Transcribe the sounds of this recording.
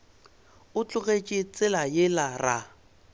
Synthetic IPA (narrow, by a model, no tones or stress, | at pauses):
ʊt͡ɬʼʊɣet͡ʃʼɪt͡sʼɪlajɪlara